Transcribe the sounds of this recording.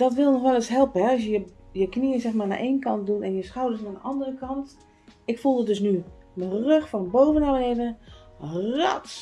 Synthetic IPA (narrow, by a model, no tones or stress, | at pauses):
d̥ɔtʋɪlˠnɔxʋɛlˠəsɦɛlˠpəhɛɔsjəjəkniəsɛxmana̰ʔeːnkɑnt̚dunɛnjəsxawdəsnaːdəʔɑndərəkɑnt | ɪkfulˠdədøsnymərøxfɔnbowvənabənedə | rɔt